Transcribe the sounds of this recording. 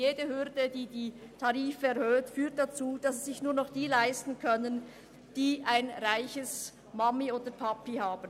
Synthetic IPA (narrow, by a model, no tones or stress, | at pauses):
jeːdəhʏʁdədiːdiːtʰɑʁiːfəɛɐhøːtfyːt̚d̥at͡suːd̥ɑsz̥ɪçnuːɐnɔχd̥iːlaɪstn̩kʰœnən | d̥iːʔaɪnʁaɪçəs | mamioːdəpʰapihaːbn̩